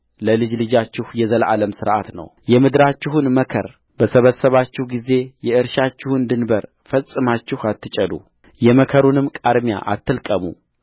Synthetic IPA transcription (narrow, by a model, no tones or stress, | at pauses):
ləlɨd͡ʒlɨd͡ʒat͡ʃːɪhjɛzəlʔa̰ləmsɨɾʔa̰t̪nə̰wjɛmɨd̪ɾat͡ʃːɪɦunməkʰə̰ɾ | bəsəβəsːəβat͡ʃːɪhɡize̞jɛʔɨɾʃat͡ʃːɪhɨnd̪ɨnbəɾ | fəsʼɨmat͡ʃːɪhat̪ːɨt͡ʃʼəd̪ṵ | jɛməkʰəɾunɨmkʼaɾmja̰ʔa̰t̪ʰːɨlkʼəmṵ